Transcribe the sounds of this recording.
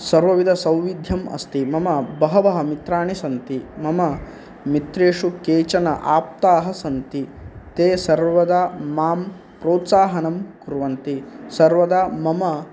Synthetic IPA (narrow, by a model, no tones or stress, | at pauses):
sɐɾʋɐʋid̪ʱɐsɐ̃wʋid̪ʱjɐmɐ̰st̪imɐmɐbɐɦɐʋɐɦɐ̆mit̪ɾaːɳisɐnt̪imɐmɐ | mit̪ɾeːʂukeːt͡ʃɐnɐ̰ʔaːp̚t̪aːɦɐsɐnt̪it̪eːsɐɾʋɐd̪amaːm | pɾoːt̪saːɦɐnɐmkuɾʋɐnt̪isɐɾʋɐd̪aːmɐmɐ